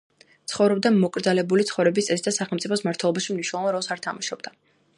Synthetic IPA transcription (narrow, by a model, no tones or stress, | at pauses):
t̪sʰχɔvɾɔb̚d̪amɔkʼɾd̪zalɛbulit̪sʰχɔvɾɛbist̪sʼɛsid̪asaχɛlmt̪sʼipʰɔsmaɾt̪ʰwɛlˠɔbaʃimniʃnɛlˠɔvanɾɔlˠsaɾt̪ʰamaʃɔbd̪a